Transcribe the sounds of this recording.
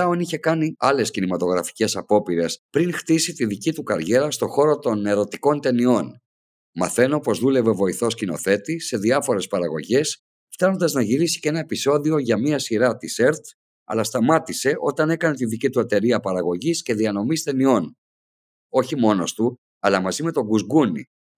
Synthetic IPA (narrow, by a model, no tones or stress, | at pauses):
ɐoniçe̞kɐniɐle̞scinimɐt̪o̞ɣɾɐfi̥ce̞sɐpo̞piɾe̞spɾiŋxt̪isit̪iðicit̪ukɐ̰ɾʝe̞ɾɐst̪o̞xo̞ɾo̞t̪o̞ne̞ɾo̞t̪iko̞nt̪e̞nio̞n | mɐ̰θe̞no̞po̞zðule̞ve̞vo̞iθo̞scino̞̰θe̞t̪ise̞ðiɐfo̞ɾespɐɾɐɣo̞ʝe̞s | ft̪ɐno̞nd̪ɐznɐʝiɾisi̥cee̞nɐepiso̞ðio̞ʝɐmiɐsiɾɐt̪ise̞ɾt̪ | ɐ̰lɐst̪ɐmɐt̪ise̞ʔo̞t̪ɐne̞kɐne̞t̪iðicit̪uet̪e̞ɾiɐpɐɾɐɣo̞ʝisce̞ðiɐno̞mist̪e̞nio̞n | o̞çimo̞no̞st̪u | ɐlɐmɐzime̞t̪o̞ɡuzɡunḭ